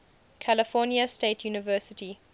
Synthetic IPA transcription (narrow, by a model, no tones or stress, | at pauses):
kʰæləfɔːnjəsteɪtʰjuːnɪvɜˑsɪti